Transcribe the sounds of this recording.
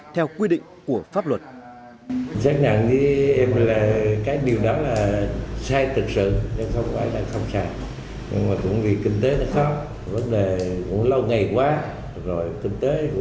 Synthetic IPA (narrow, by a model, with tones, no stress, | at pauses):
t̪ʰɛ˧wkwi˧ɗḭ˧˨ŋ̟ku˧˩əfaː˦˥p̚lwə˨˩t̚ | saː˦˥k̚ɲa̰˧˨nzɨ˨˦ʔɛ˧mlaː˨˩kaː˨˦jɗi˨˩əwɗɔ˨˦laː˨˩saː˧jt̪ɨ˨˩k̚sɨ̰˧˨ɲə˨˧˦xə˧wŋ͡mkːjɗa̰ː˧˥ŋxə˧wŋ͡msaː˧˩j | ɲɨ̰˧ŋmaː˨˩kʊ̰˧˥ŋ͡mvi˨˩kï˧ŋ̟t̪e˨˦nɔ˨˦xa˦˥w̚ | və˨˦nɗe˨˩kʊ̰˧˥ŋ͡mlə˧wŋa˨˩jkwaː˨˦ | zo˨˩jkï˧ŋ̟t̪ḛ˨˦˧